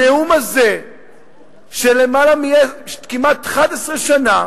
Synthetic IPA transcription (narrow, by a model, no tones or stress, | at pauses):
eumaze | ʃele̞malamieʃkimatχad̪esʁeʃana